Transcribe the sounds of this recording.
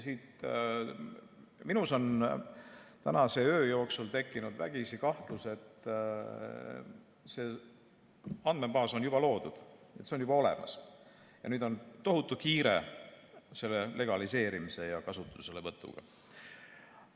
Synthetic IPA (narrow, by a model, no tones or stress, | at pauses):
siːt̪ | minuso̞n | t̪ænɑse̞øːjo̞ːksult̪e̞kːˑinud̪̥væ̰ɡ̥isikɑht̪luse̞t̪ː | se̞ | ɑnd̥̪me̞bɑːso̞njub̥ɑlo̞ːd̪ud̪̥ | et̪seo̞njub̥ɑo̞le̞̰mʔɑ̰s | jɑ̰nyːd̪o̞nt̪o̞ɦut̪ːˑukiːɾe̞̰ | se̞lːe̞le̞ɡ̥ɑlise̞ːɾimise̞jɑkɑsut̪ːˑuse̞levɤt̪ːˑṵɡ̥ɑ̰